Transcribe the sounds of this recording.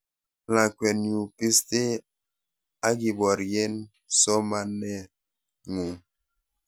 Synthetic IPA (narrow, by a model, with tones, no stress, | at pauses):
la˨kwɛ˨nju˨pi˦ste˦ | a˦ɡi˨bɔ˨ɾje˦n | sɔ˦ma˦nɛ˦˨ | ŋu˨ŋ